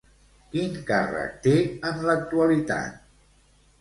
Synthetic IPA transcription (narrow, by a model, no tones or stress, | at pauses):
kiŋkarə̰k̚t̪eənlək̚t̪uəlit̪a̰t̪̚